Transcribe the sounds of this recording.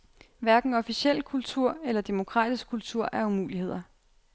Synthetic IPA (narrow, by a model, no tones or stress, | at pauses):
ʋæɐɡ̥n̩ɒ̽fisel̰kʰult͡sʰuɐ̰elɐd̥e̝mo̝kʰʁɑ̰̈ːd̥isɡ̥̚ʰult͡sʰuɐ̰ʔæɐumṵːlihe̝ð̰ˠɐ